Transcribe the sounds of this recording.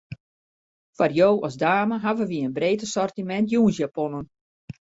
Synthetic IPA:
farjoːʔɔsdaːməɦaʋəʋiəənbreːtəsɔrtimɛntjuːnsjapɔnən

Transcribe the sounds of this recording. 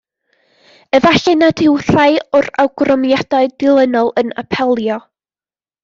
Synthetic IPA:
əvaɬɛnadɪwɬaɨʊra̰wɡrɔmjadaɨdɪlˠənɔlˠəna̰pʰɛlˠjɔ

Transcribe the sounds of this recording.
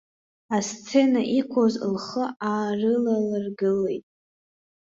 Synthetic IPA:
ast͡sʰe̞naʔikʷʰozlχəaːrɨlalarɡɨlejtʼ

